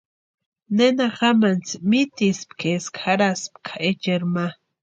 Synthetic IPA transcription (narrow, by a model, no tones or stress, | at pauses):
nenaχamant͡smit̪ispkʰeskʰaɾaspkʰḁet͡ʃeɾma